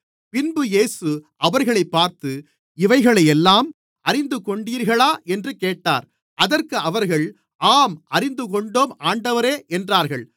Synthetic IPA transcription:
pɪnbɯjeːsɯʔɐʋɐɾɣɐɭɐɪpːaːɾt̪ɯ | ɪʋɐɪɣɐɭɐɪɛlːaːm | ʔɐɾɪnd̪ɯkɔɳɖiːɾɣɐɭaːʔɛndrɯkeːʈːa̰ːɾ | ʔɐðɐɾkɯʔɐʋɐɾɣɐɭ | ʔaːmʔɐɾɪnd̪ɯkɔɳɖoːmaːɳɖɐʋɐɾeːʔɛndraːɾɣɐɭ

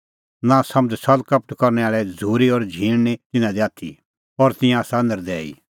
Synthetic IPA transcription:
nãsɐmsɐlkɐp̚ʈkɔɾnɛaːɭɛd͡zʱuːɾiɔɾd͡ʒʱiːɽ̃net̪ɪnãd̪iaːt̪ʰḭ | ɔɾt̪ɪ̃jãaːsand̪əɾd̪ɛːḭ

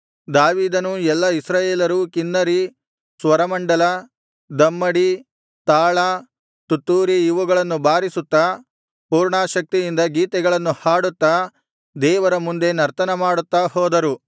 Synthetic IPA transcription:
d̪aːʋiːd̪ɐnuɛlːɐisɾaːjeːlɐɾukinːɐɾi | sʋɐɾɐmɐɳɖɐlɐ | d̪ɐmːɐɽi | t̪aːɭa | t̪ut̪ːuːɾijuʋuɡɐɭɐnːubaːɾisut̪ːɐ | puːɾɳaːʃɐk̚t̪ijind̪ɐɡiːt̪ɛɡɐɭɐnːuhaːɽut̪ːɐ | d̪ɛːʋɐɾɐmund̪e̞nɐɾt̪ɐnɐmaːɽut̪ːahɔːd̪ɐɾu

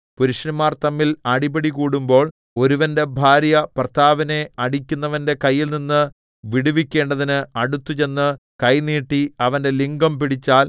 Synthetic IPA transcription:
puɾuɕɐnumaːrt̪ɐmːilɐɽibɐɽikuːɽumbo̞ːɭ | o̞ɾuʋɐnde̞bʱaːɾjɐprɐt̪ʰaːʋɐne̞ɐɽikʲːunːɐʋɐnde̞kɐjːilninːɨ | ʋiɽuʋikʲːe̞ːɳɖɐðinɨɐɽut̪ːut͡ɕe̞nːɨ | kɐjniːʈːiɐʋɐnde̞liŋɡɐmpiɽit͡ɕːaːl

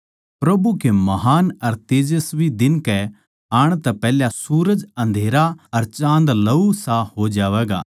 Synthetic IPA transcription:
pɾɐbukemɐɦaːnɐɾt̪eːd͡ʒəsbʱid̪ɪnkɛ | aːɽ̃t̪ɛpɛːljasuːɾəd͡ʒɐ̃nd̪ʱeːɾaɐɾt͡ʃãːnd̪lɐusaɦod͡ʒaːʋɛːɡa̰ː

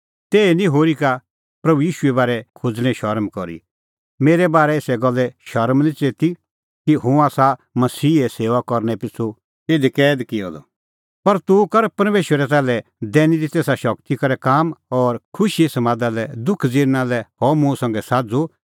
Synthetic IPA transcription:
t̪eːnĩɦoːɾika | pɾɐbujiːʃuɛbaːɾɛkʰʊd͡zñɛ̃ʃɐɾmkɔɾḭ | meːɾɛbaːɾɛeːsɛɡɔlːɛʃɐɾmnĩt͡seːt̪i | kiɦʊ̃aːsamɐsiːɛseːʋakɔɾnɛpɪt͡sʰːu | ɪd̪ikɛːd̪kɪjɔ̰d̪ɔ̰ | pɐɾt̪ukɐɾpɐɾmeːʃwəɾɛtɛːlɛd̪ɛːnid̪it̪eːsaʃɐkt̪ikɐɾɛkaːmɔːɾkʰʊʃisɐmãːd̪alɛd̪ʊkʰd͡ziːɾnalɛhɔːmũsɐ̃ŋɡɛsaːd͡zo

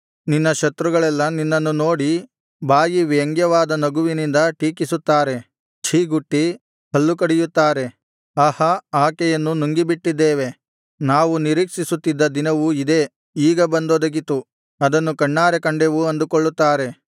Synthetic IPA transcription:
ninːɐʃɐt̪ɾuɡɐɭɛlːɐninːɐnːuno̞ːɽi | baːjiʋɐŋɡjɐʋaːd̪ɐnɐɡuʋinind̪ɐʈiːkisut̪ːaːɾe̞ | t͡ʃʰiːɡuʈːi | hɐlːukɐɽijut̪ːaːɾe̞ | ɐhɐaːkɛjɐnːunuŋɡibiʈːid̪ːeːʋe̞ | naːʋuniɾiːkʂisut̪ːid̪ːɐd̪inɐʋuid̪e̞ː | iːɡɐbɐnd̪oːd̪ɐɡit̪u | ɐd̪ɐnːukɐɳːaːɾekɐɳɖeʋuɐnd̪ukoɭːut̪ːaːɾe̞

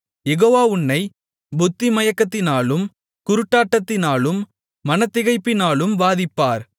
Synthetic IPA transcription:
jɛɣoːʋaːʊnːɐɪ | bʊt̪ːimɐjɐkːɐt̪ːɪnaːlɯm | kʊɾɯʈːaːʈːɐt̪ːɪnaːlɯmː | ɐnɐt̪ːɪɣɐɪpːɪnaːlɯmʋaːðɪpːaːɾ

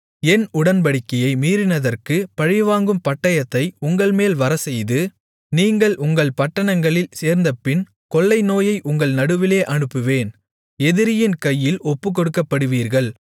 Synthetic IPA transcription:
ɛnʊɽɐnpɐɽɪkːɐjɐɪmiːɾɪnɐðɐrkɯpɐɻɪʋaːŋɡɯmpɐʈːɐjɐt̪ːɐɪʊŋɡɐɭmeːlʋɐɾɐsɛjðɯ | niːŋɡɐɭʔʊŋɡɐɭpɐʈːɐɳɐŋɡɐɭɪlseːɾnd̪ɐpːɪn | kɔɭːɐɪnoːjɐɪʔʊŋɡɐɭnɐɽɯʋɪleːʔɐɳɯpːɯʋeːn | ɛðɪɾɪjɪnkɐjːɪlɔpːɯk̬ːɔɽɯkːɐpːɐɽɯʋiːɾɣɐɭ

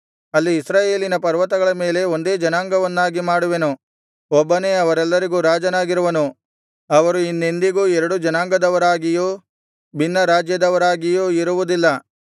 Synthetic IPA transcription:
ɐlːiːsɾaːje̞ːlinɐpɐɾʋɐt̪ɐɡɐɭɐme̞ːle̞o̞nd̪e̞ːd͡ʒɐnaːŋɡɐʋɐnːaːɡimaːɽuʋenu | ɔbːɐne̞ːɐʋɐɾɛlːɐɾiɡuːɾaːd͡ʒɐnaːɡiɾuʋɐnu | ɐʋɐɾuinːend̪iɡuːɛɾɐɽud͡ʒɐnaːŋɡɐd̪ɐʋɐɾaːɡijuː | bʱinːɐɾaːd͡ʒjɐd̪ɐʋɐɾaːɡijuiɾuʋud̪ilːɐ

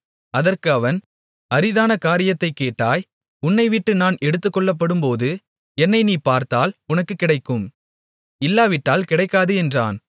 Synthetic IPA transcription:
ɐðɐrkɯɐʋɐn | ɐɾɪðaːnɐkaːɾɪjɐt̪ːɐɪkːeːʈːaːj | ʊnːɐɪʋɪʈːɯnaːnɛɽɯt̪ːɯkːɔɭːɐp̬ːɐɽɯmpoːðɯ | ɛnːɐɪniːpaːɾt̪aːlʊnɐkːɯkːɪɽɐɪkːɯm | ɪlːaːʋɪʈːaːlkɪɽɐɪkːaːðɯɛndra̰ːn

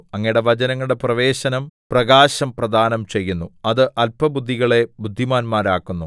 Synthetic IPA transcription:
ɐŋːɐjiɽe̞ʋɐd͡ʑɐnɐŋːɐɭɽe̞prɐʋe̞ːɕɐnɐmprɐɡaːɕɐmprɐd̪ʱaːnɐmt͡ɕe̞jːunːuɐðɨʔɐlpɐbud̪ʱːiɣɐɭe̞bud̪ʱːimaːnmaːɾaːkːunːu

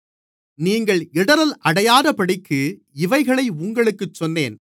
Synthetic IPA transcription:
niːŋɡɐɭɪɽɐɾɐlʔɐɽɐjaːðɐpɐɽɪkʰːɯ | ɪʋɐɪɣɐɭɐɪʊŋɡɐɭɯkːɯt͡ʃːɔnːeːn

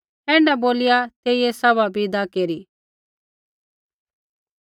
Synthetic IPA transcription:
ɛ̃ːɳɖɛboːlɪjat̪eːijesɐβabʱid̪akeːɾiː

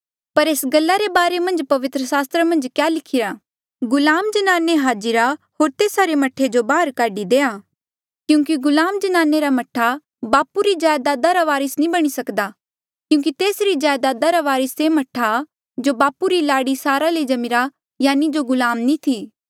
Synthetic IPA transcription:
pɐɾeːsɡɐlːaɾebaːɾemɐ̃nd͡ʒpɐʋɪt̪ɾəsaːst̪ɾəmɐ̃nd͡ʒkjaːlɪkʰɪɾa | ɡʊlaːmd͡ʒɐnaːneɦaːd͡ʒɪɾaɦoːɾt̪eːsaɾemɐʈʰːed͡ʒobaːɦəɾkaːɖid̪eːaː | kjũːk̬iɡʊlaːmd͡ʒɐnaːneɾamɐʈʰa | baːpuɾid͡ʒaːjd̪aːd̪aɾaʋaːɾɪsnĩbɐɽ̃isɐkd̪a | kjũːk̬it̪eːsɾid͡ʒjaːjd̪aːd̪aɾaʋaːɾɪsemɐʈʰːa | d͡ʒobaːpuɾilaːɽisaːɾaled͡ʒɐmɪɾa | jaːnid͡ʒoɡʊlaːmnĩt̪ʰiː

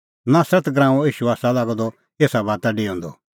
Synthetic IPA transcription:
naːsɾət̪ɡɾãːũiːʃuaːsalaːɡɔd̪ɔ | eːsabaːt̪aɖiõːnd̪ɔ̰

